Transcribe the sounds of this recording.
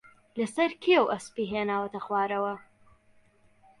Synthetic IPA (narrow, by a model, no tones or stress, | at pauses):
lɐsɐɾkʰijɛwʔɐspiːɦeːnaːwɐt̪ɐxwaːɾɐwɐ